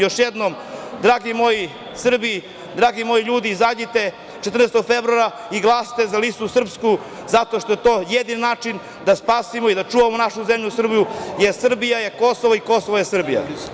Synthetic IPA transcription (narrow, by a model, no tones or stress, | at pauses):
jo̞ʃjed̪nomd̪ɾaːɡimo̞ji | sr̩bi | d̪ɾaːɡimo̞jiʎuːd̪izadit̪e̞ | t͡ʃet̪ɾrnest̪oɡfevɾuaɾa | iɡlˠaːst̪e̞zalist̪usr̩psku | zat̪o̞ʃt̪o̞jet̪o̞ːjed̪ininaːt͡ʃin | d̪aspaːsimoid̪at͡ʃuːʋamonaʃuzemʎusr̩bijujesr̩bijajeko̞soʋoiko̞soʋojesr̩bija̰